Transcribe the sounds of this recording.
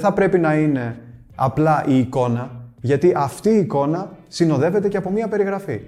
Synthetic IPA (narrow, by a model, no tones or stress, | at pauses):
θɐpɾe̞pinɐine̞ | ɐplɐʔiːko̞nɐʝɐt̪iʔɐft̪iːko̞nɐsino̞ðe̞ve̞t̪e̞ceɐpo̞miɐpe̞ɾiɣɾɐfi